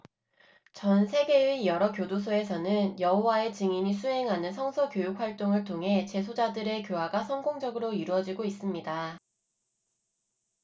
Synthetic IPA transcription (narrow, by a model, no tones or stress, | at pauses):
t͡ɕʌnsʰe̞ɡe̞ijʌɾʌkjodosʰoe̞sʰʌnɯnjʌɦowae̞t͡ɕiŋimisʰuɦe̞ŋɦanɯnsʰʌŋsʰʌkjojuk̚ʰɸwaɭt͈oŋɯɭtʰoŋɦe̞t͡ɕe̞s̬ʰod͡ʑadɯɾe̞kjowaɡasʰʌŋɡoŋd͡ʑʌɡɯɾoiɾuʌd͡ʑiɡois͈ɯmɲida